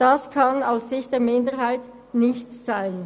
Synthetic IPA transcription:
d̥askʰanaʊsz̥ɪçtd̥eːɐmɪndəɦaɪt | nɪçtːaɪn

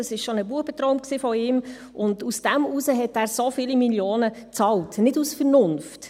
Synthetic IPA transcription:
ɑsɪʃʃonəbuəbət̪ɾɔʊmksiːfɔɪːm | ʔʊndusd̥æmuːsəɦɛtæːɾsofiːlimiljoːnət͡sɑːltnɪdusfəɾnʊnft

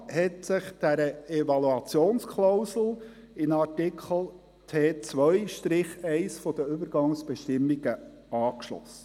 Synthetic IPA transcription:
hɛtsɪχd̥æɾəɛvɑluɑt͡sjoːnskʰlaʊsl̩ˠ | ɪnɑɾtɪkʰχəl̩ˠ | tʰeːt͡sʋœjʃtɾɪχɛɪsfɔd̥̪əʏbəɾɡɑŋsb̥ɛʃtɪmːiɡ̥ə | ɑːkʃlɔ̰sə̥

